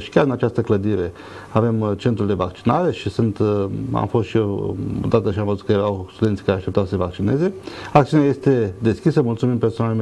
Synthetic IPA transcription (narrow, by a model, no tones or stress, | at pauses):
ʃi̥kʲaɾrd̪inat͡ʃast̪əkləd̪iɾe̞ | ave̞mt͡ʃe̞nt̪ɾuld̪e̞vakt͡ʃi̥naɾe̞ʃisɨnt̪a̰mfo̞st̪ʃieoo̰d̪at̪əʃiamvəzut̪̚kəjeɾawst̪ud̪e̞nt̪i̥kaɾeaʃt̪e̞p̚t̪awsəsevak̚t͡ʃine̞ze̞akt̪iunaje̞st̪e̞d̪e̞skʲisəmult̪sumimpersonaleme